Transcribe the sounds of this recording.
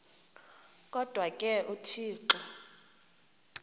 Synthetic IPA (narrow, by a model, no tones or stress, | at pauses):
kʼɔd̥ʱwakʼɛʔutʰiːǃɔ